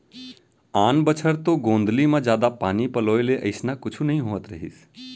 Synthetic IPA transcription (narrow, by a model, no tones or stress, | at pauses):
aːnbət͡ʃʰəɾt̪oɡõːnd̪limãd͡ʒaːd̪apanipəloeleʔəɪsnakʊt͡ʃʰunəɦĩɦoət̪ɾəɦḭs